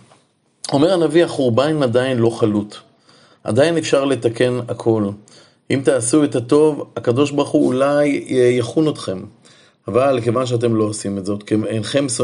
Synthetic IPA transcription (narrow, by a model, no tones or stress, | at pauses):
o̞me̞ʁanaviaχuʁbanimad̪ainlo̞χalut̪ | ʔa̰d̪aine̞fʃaʁle̞t̪ake̞nakʰo̞l | ʔimt̪aːsuet̪at̪o̞vakad̪o̞ʃbaʁχuṵlajjaχunot̪χe̞m | avalke̞vanʃ̬eat̬e̞mlo̞osimetzo̞t̪keenχe̞ms